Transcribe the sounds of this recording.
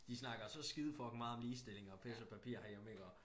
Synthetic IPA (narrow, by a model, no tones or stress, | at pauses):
d̥isnɑ̈ɡ̥ɐsɒ̽sɡ̥ið̞ˠfɒ̽ɡ̥n̩mɑ̈ːð̩ˠɒmliːsd̥e̝le̝ŋɒ̽pʰesɒpʰæpʰḭɐ̰hɑ̈jemeɡ̥ɒ